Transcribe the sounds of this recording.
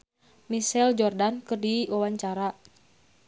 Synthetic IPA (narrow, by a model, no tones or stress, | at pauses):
misɛld͡ʒɔrdankɨrdiwawaɲt͡ʃaɾa